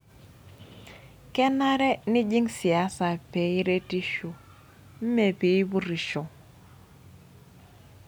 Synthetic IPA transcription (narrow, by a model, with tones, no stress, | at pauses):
kɛ˦na˦ɾɛ˦nɪ˦d͡ʒi˦ŋsi˨a˦sa˨pe˨i˦ɾe˦ti˦ʃu˨ | m̩˦me˨pi˨i˦bu˦ɾi˨ʃo˨